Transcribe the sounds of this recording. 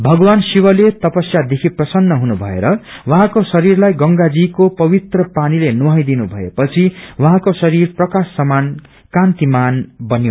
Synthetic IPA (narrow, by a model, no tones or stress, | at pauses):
bʱʌɡwansiwʌlet̪ʌpʌsjad̪ekʰiprʌsʌnːʌɦunubʱʌḛɾʌwaɦãkosʌɾirlajɡʌŋɡad͡zikopʌbit̪rʌpanilenuɦʌjd̪inubʱʌḛpʌt͡sʰiwʌɦãkosʌɾirprʌkasːʌman | kãnt̪imanbʌnjo